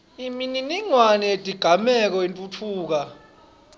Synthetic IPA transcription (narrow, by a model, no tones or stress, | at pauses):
imininiŋwanɛedʼʱiɡ̥ʱamɛk̬ɔentʼut͡fʰuːk̬a